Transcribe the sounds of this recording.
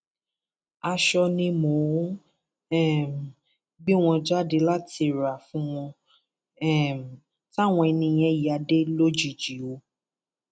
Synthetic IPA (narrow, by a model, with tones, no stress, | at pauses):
a˧ʃɔ˧nĩ˧mo˨˦ | ɛ˦˨m˨ | ɡ͡bi˦w̃ɔ̃˧d͡ʒa˦de˧la˦ti˧˨ɾa˨fũ˦w̃ɔ̃˧ | ɛ˦m˨ | ta˦˨w̃ɔ̃˧ɛ˧nĩ˧j̃ɛ̃˧˦˨a˧de˦lo˦d͡ʒi˨d͡ʒi˨˦o˧